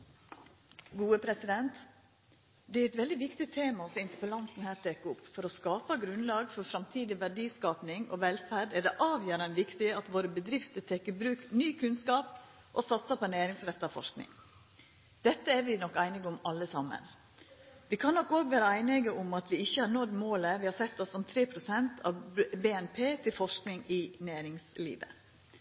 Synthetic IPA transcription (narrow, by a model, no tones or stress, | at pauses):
ɡuːəpʰɾɛsɪd̪ɛnt̪ | d̪ɛæɾɛt̪ʋɛld̪ɪʋɪkt̪ɪt̪ʰeːmɑɔsɪnt̪əpəlɑnt̪n̩hæːɾt̪ʰeːkːʊpfɔɾɔskɑːpɑɡɾʉnlɑːɡfɔɾfɾɑmt̪ʰiːd̪ɪʋæɖiːskɑːpnɪŋo̰ːʋɛlfæɖɛɖ̪ɛʔɑːʋjøːɾɑnʋɪkt̪ɪɑt̪ʋoːɾəbəd̪ɾɪft̪əɾt̪ʰɛːkəbɾʉːknyːkʰʉnskɑːp | ʔɔsɑt̪sɑpɔnæːɾɪŋsɾɛt̪ːɑfɔ̰ʂknɪ̰ŋ | d̪̥ɛt̪ːəæɾʋɪnɔkːæɪnɪɡəʊmɑlːəsɑmːə̰n | ʋɪkʰɑnːɔkːoːɡʋæːɾəæɪnəɡəʔʊmɑt̪ʋɪɪçːəhɑɾnɔd̪moːləʋɪhɑɾsɛt̪ːɔsɔmt̪ʰɾeːpʰɾʊsɛnt̪ʰɑ̰beːɛnpʰeːt̪ʰɪlfɔʂknɪŋɪnæːɾɪŋslḭːʋə̰